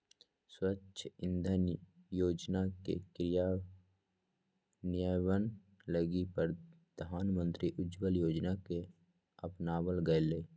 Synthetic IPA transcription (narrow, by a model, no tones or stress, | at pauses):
swətːʃʰəɪ̃nd̪ʱəjoːd͡ʒnakḛkɾɪja | nɪjawən | ləɡipəɾ | d̪̥ʱaːnmə̃nt̪ɾiʔʊd͡ʒʋəljoːd͡ʒnake | əpnaːwəlɡəeleː